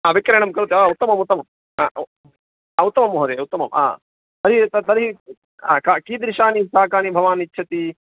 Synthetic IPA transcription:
aːʋikɾeːɳɐmkɐɾut̪iaut̪ːɐmɐmut̪ːɐmɐm | aː | aut̪ːɐmɐmɦɐɾeut̪ːɐmɐma̰ː | t̪ɐɾit̪ɐt̪ɐɾɦi | a̰ːkaːkiːd̪ɾiʃaːnisaːkaːnibʱɐʋaːnitːʃʰɐt̪i

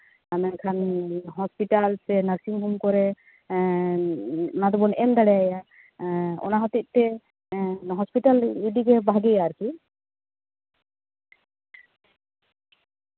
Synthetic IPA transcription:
amɛnkʰanɦɔspiʈalsɛnasiŋɦumkɔɾɛ | nad̪ɔbɔnɛmd̪aɽɛjaja | ɔ̰naɦɔt̪it̪̚ˀt̪ɛ | ɦɔspiʈaliɖiɡɛbaɡɛjaɾki

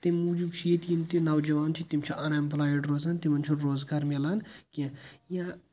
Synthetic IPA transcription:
t̪emuːd͡ʒubt͡ʃʰijet̪jimt̪inɐwd͡ʒɐʋaːnt͡ʃʰit̪imt͡ʃʰiʔɐnɐmplaːjeɖɾoːzaːnt̪imɐnt͡ʃʰunɾoːzɡaːɾmelankʲẽjã

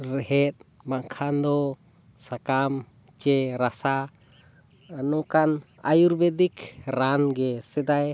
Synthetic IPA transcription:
ɾɛɦɛt̪̚ | maʔkʰand̪ɔ | sakam | t͡ʃɛɾasa | nɔkan | a̰juɾbɛd̪ikɾanɡɛsɛd̪aj

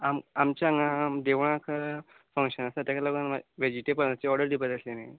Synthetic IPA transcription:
amamt͡ɕjaŋɡamd̪eʋɳ̃ãkʰə | fə̃ŋkʂənasat̪jakʰalaɡunʋaʋed͡ʑiʈepəɾnat͡ɕiɔɾɖəɾd̪ʱipət̪əslenaj

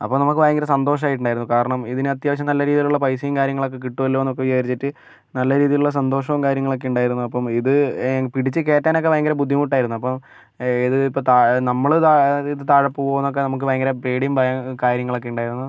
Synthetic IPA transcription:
ɐ̰pːomnɐmukːɨbɐjɐŋɡɐɾɐsɐnd̪o̞ːʂɐmaːjiʈ̬ːuɳɖaːjiɾunːukaːɾɐɳɐmiðinɨɐt̪jaːʋɐɕ̬ɐmnɐlːɐɾiːðijiluɭːɐpɐjsijmkaːɾjɐŋːɐɭo̞kːe̞k̬iʈːuʋɐlːoːenːok̬ːeʋijɐɐɾit͡ɕːitːɨ | nɐlːɐɾiːðijiluɭːɐs̬ɐnd̪o̞ːʂɐʋumkaːɾjɐŋːɐɭo̞kːe̞uɳɖaːjiɾunːuɐpːɐmiðɨpiɽit͡ɕːɨke̞ːtːaːnokːebɐjɐŋɡɐɾɐbud̪ʱːimuʈːaːjiɾunːuɐpːɐm | iðɨipːoːt̪anɐmːɐɭt̪aiðɨt̪aːɻɐpːuoʋnːok̬ːenɐmukːɨbɐjɐŋɡɐɾɐpreːɽimbɐjɐkaːɾjɐŋːɐɭo̞kːe̞uɳɖaːjiɾunːuɨ

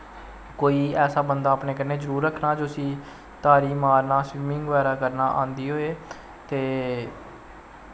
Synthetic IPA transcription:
koːiːɛːsaːbənd̪aːpneːkənːeːzəɾuːɾːəkʰnaːd͡ʒoːəsĩː | t̪aːɾiːmaːɾnaːsʋiːmɪ̃ŋɡʋaːɾaːkəɾnaːʔã̰ːnd̪iːɦoːeː | t̪eː

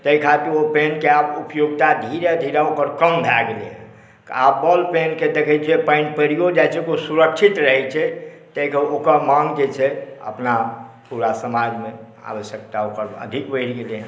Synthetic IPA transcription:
t̪əɦikʰat̪iɾopenkeabupjoɡt̪ad̪ʱiɾed̪ʱiɾaokəɾkəmbʱaɡeleɦɛ̃ | kabəlpenked̪ekʰɛt͡ʃʰɛpə̃ɪnpɾijod͡ʒajt͡ʃʰɛkosuɾəkʃʰit̪ɾəɦɛt͡ʃʰɛ | t̪əikəokəɾmaŋɡd͡ʒet͡ʃʰɛə̰pnapuɾasəmad͡ʒme | a̰ʋəʃjək̚t̪aokəɾə̰d̪ʱikbəɪɾɡeleɦ

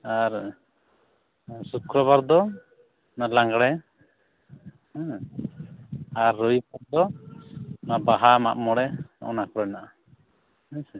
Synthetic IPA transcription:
aɾ | sukɾɔβaɾd̪ɔ | nalaŋɡɽɛ | hɛ̃ | aɾːɔjbaɾd̪ɔ | nabaɦama̰ʔmɔɽɛɔ̰ʔɔ̰nakɔɾɔjnaʔa | ɛ̃

